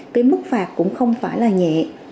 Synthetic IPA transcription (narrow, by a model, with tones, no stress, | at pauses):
k̪eː˨˦mɨ˦˥k̚faː˨˩k̚kʊ̰˧˥ŋ͡mxə˧wŋ͡mfaː˧˩jlaː˨˩ɲɛ̰˧˨